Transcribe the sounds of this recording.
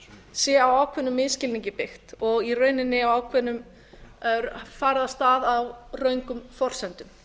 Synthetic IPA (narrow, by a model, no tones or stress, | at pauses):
sjɛːawaːwkʰvɛnʏmːɪðscɪlniŋɲcɪpɪxt̪ɔɣirœɥnɪnːɪawawkʰvɛnːʏm | faːɾɪðast̪aːðawrœɥŋkʏmfɔr̥sɛnt̪ʏm